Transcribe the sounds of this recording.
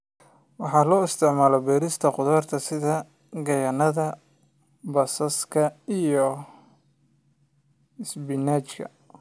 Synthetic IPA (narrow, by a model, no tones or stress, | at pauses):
wɑħɑːlɔːɪst̪ʰɪʕmaːlɔbɛːɾɪst̪ʰɐqʊðɔːrt̪ʰɐsɪðɐ | ɡɐjɐnɐðɐ | bɐsɐskʰɐijɔ | ɪsbɪnaːt͡ʃkʰɐ̰